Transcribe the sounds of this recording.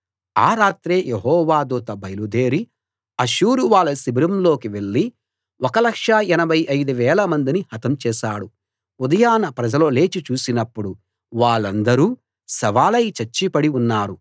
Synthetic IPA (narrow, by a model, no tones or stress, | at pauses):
a̰ːɾaːt̪ɾeːjʔeɦɔːʋaːd̪uːt̪ɐbɐjlud̪eːɾi | ɐʃuːɾuʋaːɭːɐsibɾɐmlo̞ːkiʋe̞ɭːi | ɔkɐlɐkʂaɛnɐbʱɐjʔɐjd̪uʋɛːlɐmɐnd̪inihɐt̪ɐmt͡ʃɛːʃaːɽu | ud̪ɐjaːnɐpɾɐd͡ʒɐlo̞ːle̞ːt͡ʃit͡ʃuːsinɐpːuɽu | ʋaːɭːɐnd̪ɐɾuː | sɐʋaːlɐjt͡ʃɐɾt͡ʃːipɐɽiunːaːɾu